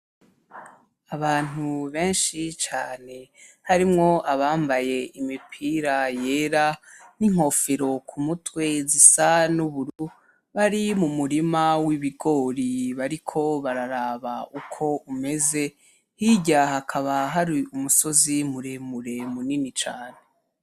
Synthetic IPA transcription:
aβaːn̥uβe̞ːnʃit͡ʃaːne̞haɾimŋo̞ʔaβaːmbaje̞ʔimipʰiːɾaje̞ːɾaniŋ̥o̞fiɾo̞kʰumutwe̞zisanuβuɾu | βaɾimumuɾimawiβiɡo̞ːɾiβaɾikʰo̞βaɾaɾaːβaukʰo̞ume̞ze̞ | hiɟaɦakʰaβaɦaɾiumuso̞zimuɾemuɾe̞muninit͡ʃaːne̞

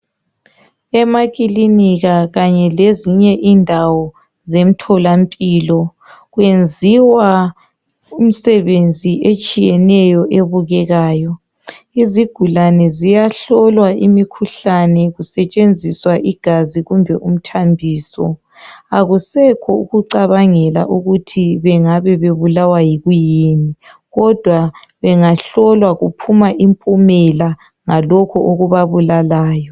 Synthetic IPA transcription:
ɛmaɣʼiliniɣaɣaɲɛleziɲɛʔindʱawɔ | zem̩tʰɔlampʼiːlɔ | ɣwend͡zʱiwa | um̩sɛβend͡zʱiʔet͡ʃʼijɛnɛjɔʔeβuɣɛɣaːjɔ | iziɡ̥ʱulanɛzijaɬɔlwaʔimikʰuɬanɛɣusɛt͡ʃʼend͡zʱiswaʔiɡ̥ʱaziɣumbʱɛʔum̩tʰambʱiːsɔ̰ | aɣusɛkʰɔuɣuǀaβaŋɛla̰ʔuɣutʰiβɛŋaβɛβeβulawajiɣujeni | ɣɔd̥ʱwa | βɛŋaɬɔlwaɣupʰumaʔimpʼumɛla | ŋalɔkʰɔʔoɣuβaβulalaːjɔ

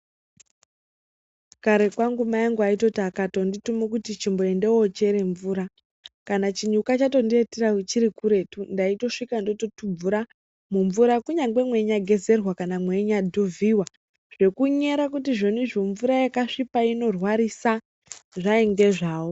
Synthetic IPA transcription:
kaɾe̞kwaŋɡumajaŋɡuaito̞takato̞nditumokutit͡ʃimbo̞e̞nde̞wot͡ʃe̞ɾe̞ɱvuːɾa | kanat͡ʃiɲukat͡ʃato̞ndieteraut͡ʃiɾikuɾe̞tundaito̞ʂikando̞to̞tub͡vuɾa | muɱvuɾakuɲaŋɡe̞mwe̞ɲaɡʱe̞ze̞rwakanamwe̞ɲadʱuvʱiwa | ʐ̥e̞kuɲe̞ɾakutiʐonuʐo̞ɱvuɾajakaʂipaino̞rwaɾisa | ʐaiŋɡe̞ʐaːwo

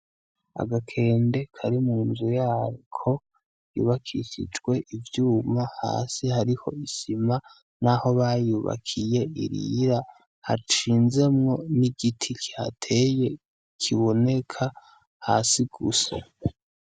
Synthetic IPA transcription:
a̰ɡakʰe̞ːnde̞kʰaɾimuːnzujaːɾikʰo̞ | jṵːβakʰiʃḭd͡ʒɡwe̞ʔivjuːmaha̰ːsihaɾiho̞̰isima | naho̞βajuːβa̰kʰije̞ḭɾḭɾa | ha̰t͡ʃiːnze̞mŋo̞niɡitʰikʰi̥ha̰tʰe̞je̞ | kʰiβo̞ne̞kʰa | ha̰ːsiɡ̥ṵsa̰

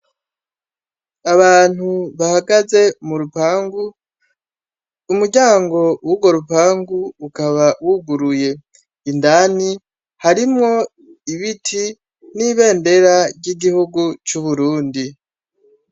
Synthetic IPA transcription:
aβaːn̥huβahaɡaze̞muɾupaːŋɡu | umuɟaːŋɡo̞wuɡwo̞ɾupaːŋɡuːkaβawuɡuɾuje̞ | indani | haɾimŋo̞ | iβitʰi | niːβe̞ːnde̞ɾaɾɟiɡihuɡut͡ʃuβuɾuːndi

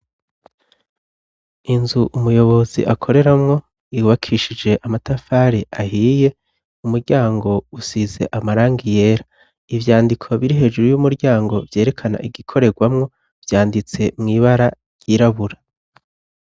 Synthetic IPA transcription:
inzuʔumujo̞βo̞zḭʔakʰo̞ɾe̞ɾamŋo̞ | iuβakʰiʃid͡ʒe̞ʔamatafaɾiʔahiːje̞ | umuɾɟaːŋɡo̞usize̞̰ʔamaɾaːŋɡije̞ːɾa | ivjaːndikʰo̞βiɾiɦe̞ːʒuɾujumuɾɟaːŋɡo̞vje̞ːɾe̞kʰana̰ʔiɡikʰo̞ɾe̞ɡwamŋo̞ | v̥jaːndit͡se̞mŋiːβaɾa | j̥iːɾaβuɾa

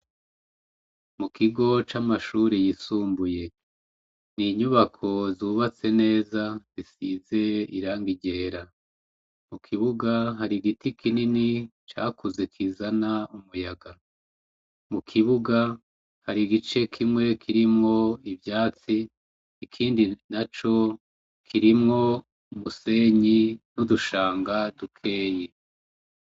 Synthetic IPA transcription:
mukiɡo̞t͡ʃamaʃuːɾijisuːmbuje̞ | niɲuβakʰo̞zuːβat͡se̞ne̞ːzazisize̞iɾaːŋɡiɟe̞ːɾa | mukʰiβuɡaɦaɾiɡitikʰininit͡ʃa̰ːkuzekʰizanaumujaɡa | mukʰiβuɡa | haɾiɡit͡ʃe̞kʰimŋe̞kʰiɾimŋo̞ivjaːt͡siː | kʰiːndinat͡ʃo̞ | kʰiɾimŋo̞ | umuse̞ɲinuduʃaːŋɡadukʰe̞ːje

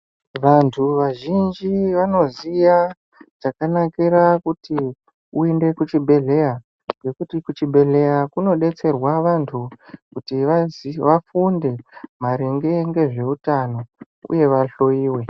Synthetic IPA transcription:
ʋantʰuʋaʒind͡ʒiʋano̞zija | ʐ̥akanakiɾakuti | uende̞kut͡ʃibʱe̞ɮe̞ja | ɡe̞kutikut͡ʃibʱe̞ɮe̞jakuno̞ɗe̞t͡se̞rwaʋantʰukutiʋazʋafunde̞maɾiŋɡe̞ŋɡe̞ʐe̞utano̞ | ṵje̞ʋaɬo̞jiːwe̞

